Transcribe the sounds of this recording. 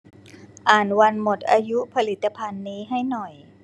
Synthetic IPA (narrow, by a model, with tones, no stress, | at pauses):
ʔaː˨˩nwa˧nmo˨˩t̪̚ʔaː˧ju˦˥pʰa˧li˦˩t̪ːa˧pʰa˧nːiː˦˥ɦa˥˩jnɔ˨˩j